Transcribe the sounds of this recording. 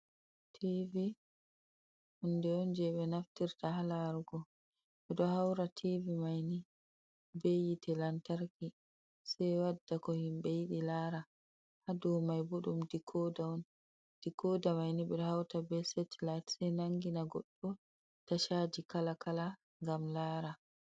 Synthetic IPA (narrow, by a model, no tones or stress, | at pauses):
tʰivi | hundɛɔnd͡ʒɛɓɛnaftiɾtahalaɾuɡɔ | ɓɛɗɔhawɾatʰivimajni | bejitɛlantaɾki | sajwadːakɔhimbejiɗilaɾa | hadɔwmajboɗumdikʰɔdaɔn | d̥ikɔdamajniɓɛɗɔhawtabɛsɛtlajtsɛjnaŋɡinaɡɔɗːɔ | taʃad͡ʒikalakala | ŋɡamlaːɾa